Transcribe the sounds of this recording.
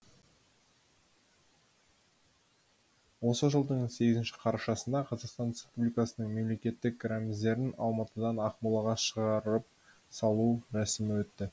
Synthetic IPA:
wo̞səʒəlˠd̪əɴse̞ɡʲɪzɪnʃɪ̥qʰɑɾɑʃɑsənd̪ɑqʰɑzɑqst̪ɑnɾespublijkɑsənəɴme̞mle̞kʲe̞t̪ːɪk̚ɡɾamʲɪzd̪e̞ɾɪnɑlˠmɑt̪əd̪ɑnɑqmulˠɑʁɑʃəʁɑɾɾəp̚ | sɑlˠuɾæsɪmɪwɵt̪ːɪ

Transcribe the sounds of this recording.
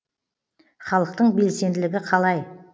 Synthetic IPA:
χɑlˠəqt̪əɴbe̞lse̞nd̪ɪlɪɡʲɪqʰɑlˠɑj

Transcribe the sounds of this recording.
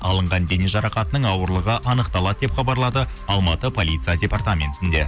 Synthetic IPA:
ɑlˠəɴʁɑnd̪eneʒɑɾɑqɑt̪ənəɴɑwəɾlˠəʁəʔɑnəqt̪ɑlˠɑd̪əd̪e̞pχɑbɑɾlˠɑd̪ə | ɑlˠmɑt̪əpʰo̞lʲijt̪sijadʲe̞part̪amʲe̞̰nt̪ɪnd̪e̞

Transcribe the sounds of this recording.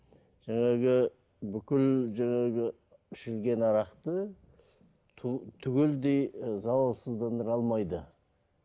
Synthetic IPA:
ʒ̥æŋɑɡʲɪ | bʏkʲɪlʒæŋɑɡʲɪ | ɪʃɪlɡʲe̞nɑɾɑqt̪ə | t̪ʰʏɡʲeld̪e̞jzɑwɑlˠsəzd̪ɑnd̪əɾɑlˠmɑjd̪ə

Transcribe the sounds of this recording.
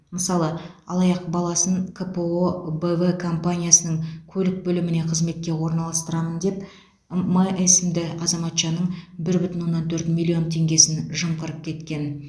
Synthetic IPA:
məsɑlˠəɑlˠɑjɑqbɑlˠɑsəɴkʰəpeobəvəkʰo̞mpanʲijasənəɴkʲʰɵlɪk̚bɵlɪmɪne̞qʰəzme̞t̪̚kʲe̞wo̞ɾnɑlˠɑst̪əɾɑmənd̪e̞p | məʔesɪmd̪ɪʔɑzɑmɑt̪ʃɑnəɴbɪɾbʏt̪ɪnwo̞nːɑnt̪ʰɵɾt̪mʲilʲˠːio̞nt̪ʰe̞ŋɡʲe̞sɪnʒəmqəɾəp̚kʲʰe̞t̪kʲe̞n

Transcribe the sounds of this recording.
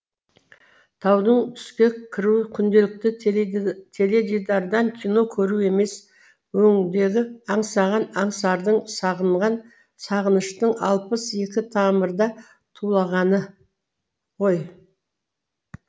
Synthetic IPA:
t̪ʰɑwd̪əɴt̪ʰʏ̥skʲe̞ɪɾukʲʰʏnd̪e̞lɪk̚t̪ɪ | t̪ʰe̞le̞d̪ʲid̪ɑɾd̪ɑŋkʲʰijno̞kʲʰɵɾue̞me̞s | wɵŋd̪e̞ɡʲɪɑɴsɑʁɑnɑɴsɑɾd̪əɴsɑʁəɴʁɑn | sɑʁənəʃt̪əɴɑ̰lˠpəse̞kʲɪt̪ʰɑməɾd̪ɑ | t̪ʰulˠɑʁɑnə | ʁo̞j

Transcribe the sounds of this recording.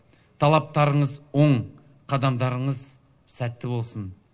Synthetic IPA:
t̪ʰɑlˠɑp̚t̪ɑɾəɴəzwo̞ɴ | qʰɑd̪ɑmd̪ɑɾəɴəz | sæt̪ːɪbo̞lˠsən

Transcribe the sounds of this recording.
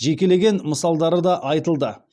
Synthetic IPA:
ʒekʲe̞le̞ɡʲe̞nməsɑlˠd̪ɑɾəd̪ɑʔɑjt̪əlˠd̪ə

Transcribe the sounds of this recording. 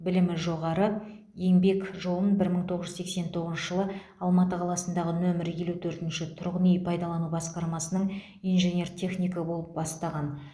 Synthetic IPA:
bɪlɪmɪʒo̞ʁɑɾə | je̞ŋbe̞kʒo̞lˠənbɪɾməɴt̪ʰo̞ʁəʒʏzekse̞nt̪ʰo̞ʁəzʃəʒəlˠə | ɑlˠmɑt̪əqʰɑlˠɑsənd̪ɑʁənɵmɪɾje̞lut̪ʰɵɾt̪ɪnʃɪt̪ʰʊɾʁənejpʰɑjd̪ɑlˠɑnubɑsqɑɾmɑsənəɴ | ijnʒenʲe̞rt̪ʲʰe̞χnʲijkɑbo̞lˠəp̚bɑst̪ɑʁɑn

